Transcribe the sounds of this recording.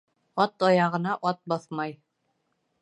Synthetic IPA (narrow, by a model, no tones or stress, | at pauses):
ɒt̪ɒjɑʁɤ̆nɑʔɒt̪̚bɒθmɑj